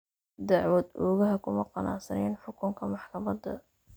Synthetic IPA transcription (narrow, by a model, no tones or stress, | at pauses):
d̪ɑʕwɔd̪ɔːɣɐɦɐkʰʊmɐqɑna̰ːsɐnɛːnħʊkʰʊŋkʰɐmɑħkʰɐmɐd̪ɐ̰